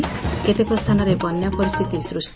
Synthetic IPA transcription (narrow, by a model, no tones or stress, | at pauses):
ket̪ekost̪ʰanɔɾebɔnjapɔɾist̪ʰit̪isɾus